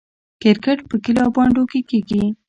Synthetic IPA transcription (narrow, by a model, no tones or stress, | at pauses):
kɪɾkaʈpəkɪlɑbɑɳɖokekeɡi